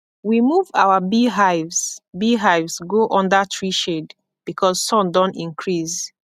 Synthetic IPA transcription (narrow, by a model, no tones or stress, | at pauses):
wimuva̰wabiɦaɪvsbiɦaɪvsɡoʔɔ̃ndətʰɹiʃed | b̥ikʰɔzsɔ̃ndɔ̃ntĩŋkʰɹiz